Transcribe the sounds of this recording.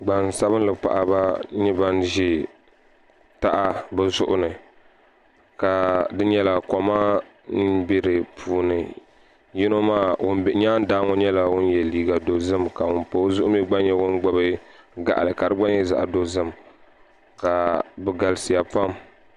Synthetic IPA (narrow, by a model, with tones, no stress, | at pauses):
ɡ͡ba˨nsa˦βɨ˦nlɨ˨pa̰˨ʔa˨ba˦ɲi˦ba˦nʒɪ˦ | ta˦ʔa˦bɨ˦zʊ˦ʔʊ˦nɨ˨ | ka˨dɨ˦ɲɛ˦la˨kɔ˨ma˦ | nɨ˦bɪ˦ɾɨ˨pʰuː˦nɨ˨ | ji˦no˦maː˦wʊ˦n˨ɲaː˦n˦daː˦ŋɔ˦ɲɛ˦la˨wʊ˦n˦jɛ˨liː˦ɡa˨do˨zɨ˦mka˨wʊ˦npo˨˦zʊ˦ʔʊ˦m˦ɛ˦ɡ͡ba˦njɛ˦wʊ˦nɡ͡bɔ˦bɨ˦ɡa̰˨ʔa̰˨lɨ˨ka˨ɾɨ˦ɡ͡ba˦n˦ɛ˦za̰˨ʔa˨do˦zɨ˦m | ka˨bɨ˨ɡa˨lɨ˦sɨ˨ja˨pa˦m